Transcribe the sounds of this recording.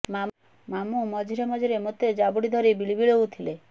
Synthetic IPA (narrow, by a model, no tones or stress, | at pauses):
ma | mamumɔd͡ʒʱiɾɔmɔd͡ʒiɾemot̪ed͡ʒabuɽid̪ʱɔɾibiɭibiɭout̪ʰile